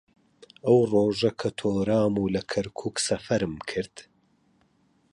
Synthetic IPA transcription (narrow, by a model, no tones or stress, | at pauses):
ʔɐwroːʒɐkʰɐt̪ʰoːɾaːmuːlɐkʰɐɾkʰuːksɐfɐɾɨmkʰɨɾd̪̥